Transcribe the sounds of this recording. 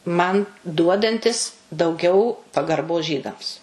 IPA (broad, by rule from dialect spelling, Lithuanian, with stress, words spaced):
ˈmɐn ˈduɔdɐnʲtʲɪs dɐʊˈɡʲɛʊ pɐɡɐrˈboːs ˈʒʲiːdɐms